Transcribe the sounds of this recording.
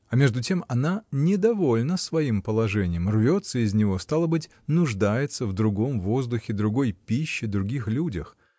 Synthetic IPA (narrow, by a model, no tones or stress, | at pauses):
ɐmʲe̞ʐd̪ʊtʲe̞mɐnanʲɪd̪ɐvo̞lʲnəsvɐimpəlˠɐʐɛnʲɪjəmrvʲo̞t̪səɪzʲnʲɪvo̞st̪alˠəbɨtʲ | nʊʐd̪ajɪt̪səvd̪ɾʊɡo̞mvo̞zd̪ʊxʲɪd̪ɾʊɡo̞jpʲiɕːɪd̪ɾʊɡʲixlʲudʲəx